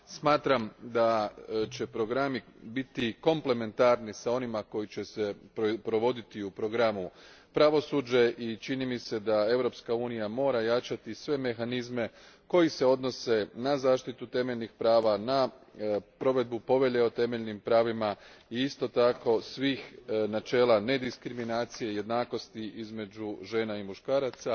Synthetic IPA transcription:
smaːt̪ɾamd̪at͡ʃe̞pɾo̞ɡɾamibit̪iko̞mple̞me̞nt̪aɾnisao̞nimako̞jit͡ɕe̞sepɾo̞ʋo̞d̪it̪iupɾo̞ɡɾamu | pɾaʋo̞suːd͡ʒe̞ʔit͡ʃinimise̞d̪ae̞vɾo̞pskauːnijamo̞ːɾajat͡ʃat̪isʋe̞me̞xanizme̞ | ko̞jise̞o̞d̪no̞se̞nazaːʃt̪it̪ut̪e̞meʎʲnixpɾaːʋana | pɾo̞ʋe̞d̪̚bupo̞ʋe̞ʎe̞o̞t̪e̞me̞ʎnimpɾaːʋimaiist̪o̞t̪ako̞sʋiːxnat͡ʃe̞ːlˠane̞d̪iskɾiminaːt̪sije̞je̞d̪naːko̞st̪iʔizme̞d͡ʒuʒe̞ːnaimuʃkaːɾat̪sa

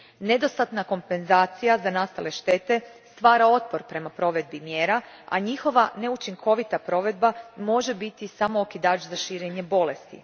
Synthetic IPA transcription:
ne̞d̪o̞st̪at̪nako̞mpe̞nzaːt̪sijazanast̪ale̞ʃt̪e̞ːt̪e̞st̪ʋaːɾao̞t̪̚po̞ɾpɾe̞mapɾo̞ʋe̞d̪̚bimjeːɾaa̰ɲixo̞ʋane̞ut͡ʃiŋkʰo̞ʋit̪apɾo̞ʋe̞d̪bamo̞ʒe̞bit̪isamookid̪aːt͡ʃzaʃiːɾeɲe̞bo̞le̞st̪ḭ

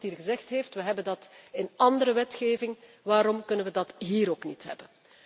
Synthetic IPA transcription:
tɦiːrɣəzɛxtɦeːftʋəɦɛbəndɑtɪnɑndəɾəʋɛtxeːvɪŋ | ʋaːɾɔmkɵnənʋədɑtɦiːɾoːknitɦɛ̰bən

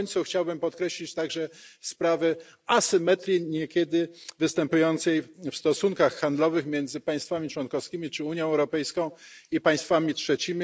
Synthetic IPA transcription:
ɲʲt̪suxt͡ɕawbɘmpɔt̪kɾɛɕlʲit͡ɕt̪aɡʐɛspɾavɛ | asɘmɛt̪ɾʲiɲɛkʲɛd̪ɘvɘst̪ɛmpujɔnt̪sɛjfst̪ɔsuŋkaxːand̪lɔvɘxmʲjɛnd̪zɘpaj̃st̪famʲit͡ʂwɔnkɔfskʲimʲit͡ʂɘuɲjɔ̃w̃ɛwɾɔpɛjskɔ̃w̃ipaj̃st̪famʲitʂɛt͡ɕimʲi

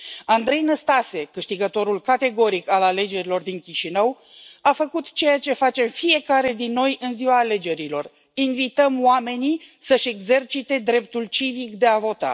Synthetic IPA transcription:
and̪ɾe̞jnəst̪ase̞kɨʃt̪iɡət̪o̞ɾulkat̪e̞ɡo̞ɾikalale̞d͡ʒe̞ɾilo̞rd̪iŋkʲiʃinəw | afəkut̪t͡ʃe̞jat͡ʃe̞fat͡ʃe̞mfije̞kaɾe̞d̪inːo̞jʔɨnziwaːle̞d͡ʒe̞ɾilo̞̰r | invit̪əmoame̞nisəʃe̞ɡze̞rt͡ʃit̪e̞d̪ɾe̞p̚t̪ult͡ʃivikd̪e̞avo̞t̪a̰

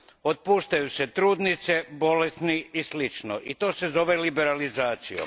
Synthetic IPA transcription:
ot̪̚puːʃt̪ajuset̪ɾuːd̪nit̪sebo̞lesniislit͡ʃno̰ʔit̪o̞ːsezo̞ʋelibeɾalizaːt̪sijo̰m

